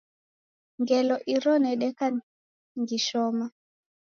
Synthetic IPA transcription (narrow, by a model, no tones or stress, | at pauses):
ŋɡɛlɔʔiɾɔnɛɗɛka | ŋɡiʃɔma